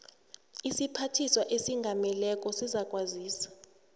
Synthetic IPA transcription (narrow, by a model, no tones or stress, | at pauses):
isipʰatʰiswaʔesiŋɡʱamɛlɛkʼɔsizakʼwaziːsḁ